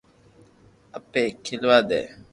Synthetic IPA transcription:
ɐpːeːkʰːilʋaːd̪ɛ̰ː

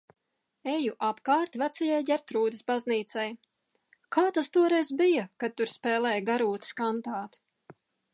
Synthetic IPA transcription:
ejuʔapkaːɾt̪væt̪sajajɟʲɛɾt̪ɾuːd̪ɪsbazniːt̪sɛj | kaːt̪ast̪uɔɾɛjzbijakad̪̚t̪uɾspɛːlˠɛːjɡaɾuːt̪skant̪aːt̪

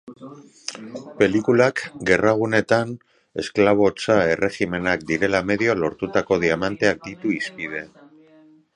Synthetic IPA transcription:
pe̞likulakɡe̞raɣ̞une̞t̪an | e̞sklaβ̞o̞t͡sae̞re̞xime̞nakd̪iɾe̞lame̞ðiolo̞ɾt̪ut̪ako̞ðiamant̪e̞ak̚d̪it̪uispið̞e̞

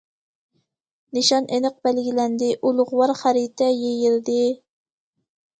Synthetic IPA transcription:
nɪʃɑnʔenəq̚bælɡʲilɛnd̪ɪʔulˠʊʁʊwɑɾχæɾit̪ʰɛjejild̪ɪ

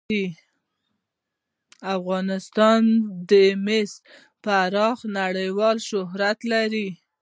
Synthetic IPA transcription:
i | afɣɑnɪst̪ɑnd̪əmes | pəaɾɑxnaɽəjwɑlʃʊɦɾat̪laɾi

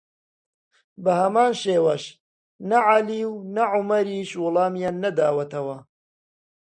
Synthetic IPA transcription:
bɐhɐmaːnʃeːwɐʃ | nɐʕaliːwnɐʕumɐɾiːʃwʊlˠɑːmjaːnːɐd̪aːwɐt̪ɐwɐ

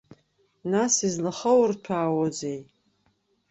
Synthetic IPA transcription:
nasizlaχəwrtʷʰaːwod͡zej

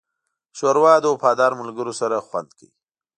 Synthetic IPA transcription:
ʃoɾwɑd̪opɑːd̪ɑːɾmʊlɡəɾosaɾaxwand̪kə̰ji

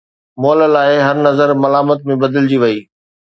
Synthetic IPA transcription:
moːllaːɪɦɐɾnɐzəɾmɐlaːmət̪̚mẽbɐd̪əld͡ʑiʋɐiː

